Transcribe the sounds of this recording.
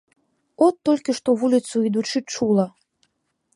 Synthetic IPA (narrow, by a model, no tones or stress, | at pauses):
ɔt̪ːɔlʲkʲiʂt̪ɔvulʲit̪suid̪ut͡ʂɨt͡ʂulˠɐ